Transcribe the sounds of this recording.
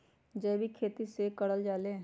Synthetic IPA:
d͡ʒɛːbʱikʰeːt̪isekəɽəld͡ʒaːleː

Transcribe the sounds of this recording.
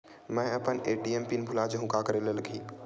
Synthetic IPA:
mɛ̃əpəneːʈiempinbʱulad͡ʒɦũkakəɾeleləɡʱiː

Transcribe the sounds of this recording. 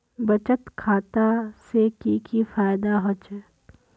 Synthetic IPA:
bɐt͡ʃət̪kʰaːt̪asekikifaːɪd̪aɦot͡ʃɛ

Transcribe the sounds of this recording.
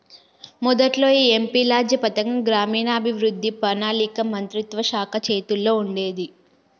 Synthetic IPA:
mɔd̪ɐʈlo̞ːiːempiːlaːd͡ʒjɐpɐt̪ɐŋɡɐɡɾaːmiːnaːbʱiʋɾud̪ʱːipɐnaːlikɐmɐnt̪ɾit̪ʋɐʃaːkʰɐt͡ʃe̞ːt̪ulːo̞ːuɳɖe̞ːd̪i

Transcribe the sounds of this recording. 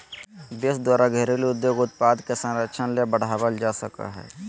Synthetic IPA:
b̪esd̪waːɾaɡʱeɾeliʊd̪joːɡʊt̪̚paːd̪kesə̃nɾəkʃʰənlebəɽ̤aːʋəld͡ʒaːsəka̰ɦɛ̰ː

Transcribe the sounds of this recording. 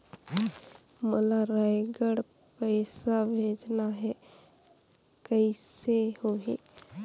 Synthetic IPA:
məlaɾaɪɡəɽ | pəɪsabʱeːd͡ʒnaɦɛ | kəɪsehoɦḛː

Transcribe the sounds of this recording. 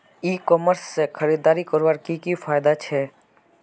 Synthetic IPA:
iːkɔːməɾsːekʰəɾiːd̪aːɾikəɾʋaɾkikifaːjd̪at͡ʃʰɛː

